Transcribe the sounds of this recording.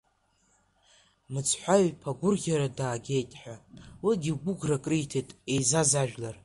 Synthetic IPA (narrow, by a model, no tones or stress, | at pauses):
mɨt͡sʰħʷaɥpʰaɡʷʊrɡʲaɾadaːɡʲe̞jtʼħʷᶣawiɡʲiɡʷʊɡrakʼrijtʰejtʼejzazaʒᶣlar